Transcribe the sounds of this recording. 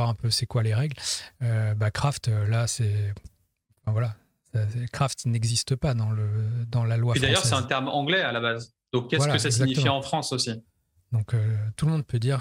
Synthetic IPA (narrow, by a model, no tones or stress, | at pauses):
aʁɛ̃pøsɛkwaleʁɛɡløbakχaft̪ølasɛ̃ | fɛ̃vwala | saɛkχaft̪nɛɡzist̪əpad̪ɑ̃ləd̪ɑ̃lalwapid̪ajœʁsɛt̪ɛ̃t̪ɛʁmɑ̃ɡlɛalabaz | d̪̥ɔ̃kːɛvaalkəsassizakɲitəfiɑ̃fχɑ̃sosi | d̪ɔ̃køt̪ulmɔ̃d̪̚pød̪iʁ